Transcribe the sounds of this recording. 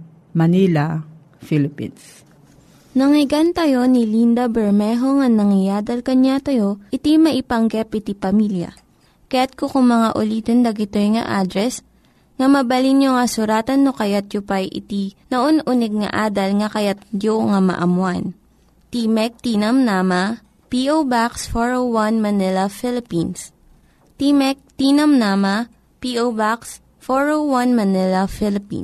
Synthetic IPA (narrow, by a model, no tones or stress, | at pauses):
mɐnila | filɪpḭns | nɐŋɪɡant̪ɐjo̞nilind̪ɐbɛɹmɛɦoŋɐnɐŋɪjaːd̪ɐlkɐɲat̪ɐjo̞ʔɪt̪imɐʔɪpɐŋɡɛpʔɪt̪ipɐmiljɐ̰ | kɐjat̪̚kokʊŋmɐŋaʔʊliːt̪ond̪ɐɡɪt̪ojŋɐ̰ʔaːd̪ɾɛs | ŋɐmɐbɐlinjoŋɐsʊɾaːt̪ɐnːokɐjat̪̚jopajʔɪ̰t̪inɐʔonʔʊnɛɡ̚ŋɐ̰ʔaːd̪ɐlŋɐkɐjat̪̚d͡ʒoŋamɐ̰ʔɐmwan | t̪imɛk̚t̪iːnɐmnaːmɐ | piʔowbaksfoɹowwanmɐnɪlɐfɪlɪpins | t̪imɛk̚t̪inɐmnaːmɐ | piʔobaks | foɹowwanmɐnɪlɐfɪlɪpḭn